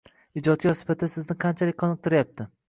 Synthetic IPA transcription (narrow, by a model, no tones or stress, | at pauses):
ɪd͡ʒɒt̪̚jʲɒsɪ̥fat̪ʰːasɪznɪqʰɑnt͡ʃʰalɪk̚ʲqʰɒnɨq̚t̪ʰɪɾajap̚t̪ʰɪ